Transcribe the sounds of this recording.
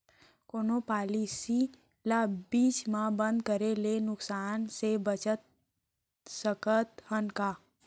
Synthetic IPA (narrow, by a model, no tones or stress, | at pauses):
koːnopaːlisi | labit͡ʃmãbə̃nd̪̚kəɾelenʊksaːnsebət͡ʃət̪̚ | səkət̪ɦənka